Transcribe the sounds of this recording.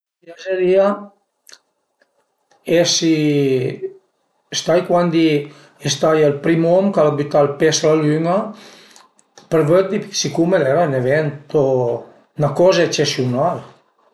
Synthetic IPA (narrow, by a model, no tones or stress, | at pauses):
azeɾia | esi | est̪ajkwand̪i | est̪ajelpɾimɔmkalabit̪alpesalalyŋa | pəɾvød̪isikumedɾɛɾaneβent̪o | nakɔzaet͡ʃesiunal